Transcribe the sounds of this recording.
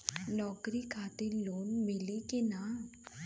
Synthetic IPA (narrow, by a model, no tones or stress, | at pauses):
nɔkɾikʰat̪iɾlonmilikina